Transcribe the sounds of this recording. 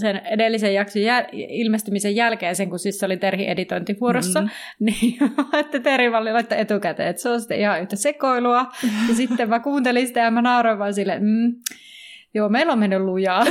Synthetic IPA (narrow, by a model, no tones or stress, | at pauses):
senedelːisejjɑksojjæilmest̪ymisejjælkeːnseŋkusisːolit̪erhḭʔḛdit̪oint̪iʋuoɾosːɑ | niːɑet̪ːæt̪erhiʋɑlːilɑit̪ːɑet̪ukæt̪ḛːet̪ːseonsi̥t̪ːˑḛʔihɑyht̪æsekoiluɑjɑsit̪ːemmækuːnt̪elinsit̪æjɑmænɑuroʋɑnsilːḛm̩ː | joːmeilːoːmmenːyllujɑː